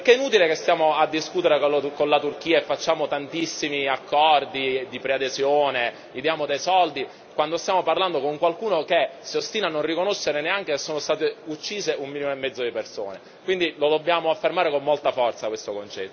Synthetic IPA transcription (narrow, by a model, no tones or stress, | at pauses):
pekeɛinuːt̪ilekest̪jaːmoad̪ːiskuːt̪eɾekolkonlat̪urk̟iːaefːat͡ʃːaːmot̪ant̪isːimiakːɔrd̪id̪ipɾead̪ezjoːne | id̪jaːmod̪ejsɔld̪i | kwand̪ost̪jaːmoparland̪okoŋkwalkuːnokesiost̪iːnanːonrikonoʃːeɾeneaŋk̟esesːoːnost̪aːt̪eut͡ʃːiːzeumːinimoemːɛd̪zːod̪iperso̰ːne | kwind̪ilod̪obːjaːmoafːermaːɾekomːolt̪afɔrt̪sakwest̪okont͡ʃɛt̪ː